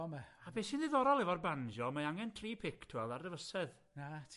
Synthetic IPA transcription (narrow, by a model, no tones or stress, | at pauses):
ɔmɛabeːsindɪðɔɾɔlˠɛvɔrband͡ʒɔmaaŋɛntʰriːpʰɪkʰtʰwɛlˠarrɛvəsɛð | natʰ